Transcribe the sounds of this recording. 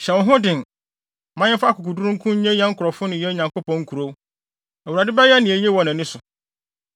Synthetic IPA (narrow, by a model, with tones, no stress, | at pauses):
ɕɛ˨wɔ̃˦ɦʊ̃˦dɪ̃˨n | mã˦ɲɪ̃˦fa˦kʰʊ˨ku˨du˦u˦ŋ̩˦kʰʊ̃˦ɲ̩˦ɛ̃˦ɛ˦ŋ̩˦kʰʊ˨ɾɔ˨fʊ˦nʊ̃˨jɛ˦ɲã˨ŋko˦pɔ̃˨ŋ̩˦kʰu˨ɾo˦ | æ˨u˨ɾa˨dɪ˦bɛ˦jɛ˦nɪ̃˨e˨je˦wɔ̃˨nã˨nɪ̃˦sʊ˨